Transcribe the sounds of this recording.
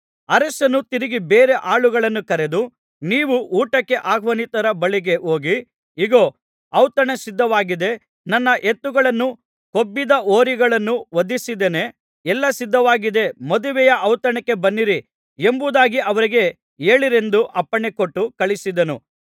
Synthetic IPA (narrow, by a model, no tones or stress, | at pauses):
ɐɾɐsɐnːut̪iɾiɡibeːɾe̞ʔaːɭuɡɐɭɐnːukɐɾed̪u | niːʋuʔuːʈɐkːe̞ʔaːɡʰʱʋɐnit̪ɐɾɐbɐɭiɡe̞ʔo̞ːɡi | iɡoː | ɐwt̪ɐɳesid̪ʱːɐʋaːɡid̪e̞ | nɐnːɐʔet̪ːuɡɐɭɐnːu | ko̞bːid̪ɐʔoːɾiɡɐɭɐnːuʋɐd̪isid̪ene̞ | ɛlːɐsid̪ːɐʋaːɡid̪e̞mɐd̪uʋɛjɐʔɐwt̪ɐɳɛkːe̞bɐnːiɾi | embud̪aːɡiʔɐʋɐɾiɡe̞ | e̞ːɭiɾe̞nd̪uʔɐpːɐɳekoʈːukɐɭisid̪ɐnṵ